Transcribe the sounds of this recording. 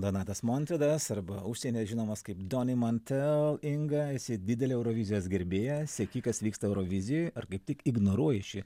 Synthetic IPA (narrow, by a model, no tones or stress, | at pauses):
d̪oːnɑːt̪ɐsmonʲt̪ʲɾʲed̪ɐsɐɾbɐuʃʲsʲeːnʲeːsʒʲɪnoːmɐskɐɪpd̪oːnʲɪmɐnʲt̪ʲɛlˠɪŋɡɐɛsʲɪd̪ʲɪd̪ʲɛlʲɪɛʊɾoːʋʲɪzʲɪjoːsɡʲɛɾʲbʲeːjɛsʲɛkʲɪkɐsʋʲiːkst̪ɐɛʊɾoːʋʲɪzʲɪjʊjɐrkɐɪp̚t̪ʲɪkɪɡnoːɾuɔjɛʃʲɪ